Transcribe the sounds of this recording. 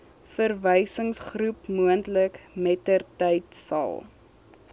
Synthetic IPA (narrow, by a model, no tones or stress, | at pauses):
fərvəjsəŋsχrupmuəntləkmɛtərtɛjtsɐ̰lˠ